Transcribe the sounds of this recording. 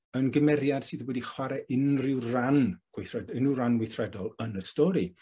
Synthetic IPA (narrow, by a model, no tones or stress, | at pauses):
ənɡəmɛɾjad̥sɨːðwɛdiχwaɾɛʔɪnrɪwranɡ̥wɪθrɛdɪnɪranɡwɪθrɛdɔlˠənəstɔɾi